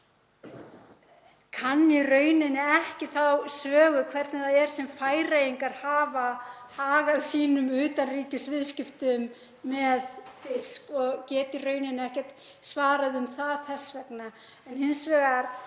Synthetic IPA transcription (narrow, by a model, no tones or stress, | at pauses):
kʰanːirœːɥnɪnːɪɛhcɪθawsœːɣʏkʰvɛɾt̪nɪθaðɛɾ̥sɛmfaːjɾejiŋkaɾ̥haːvahaːɣaðsiːnʏmʏːt̪anriːcɪsvɪðscɪft̪ʏmː | ɛðfɪskɔɣcɛːt̪ɪrœːɥnɪnːɪɛhcɛt̪ | svaːɾaðʏmθaðθɛsvɛkna | ɛnhɪnsvɛːɣaɾ